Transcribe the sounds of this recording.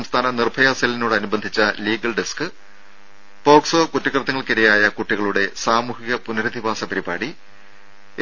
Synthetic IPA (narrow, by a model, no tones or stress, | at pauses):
mst̪ʰaːnɐnirbʱɐjaːsɐlinuːɽɨɐnubɐnd̪ʱit͡ɕːɐliːɡɐɭɖeskɨ | po̞ːkso̞ːkutːikrɐt̪ːɐŋːɐɭkiɾɐjaːjɐkuʈːiɣɐɭuɽe̞saːmuːhiɣɐpunɐɾɐd̪ʱibaːsɐpɐɾiba̰ːɽi